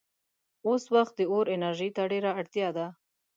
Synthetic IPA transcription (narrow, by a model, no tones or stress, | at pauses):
oswaxt̪̚d̪əoɾɪnaɾʒit̪aɖeɾaaɽt̪jɑd̪a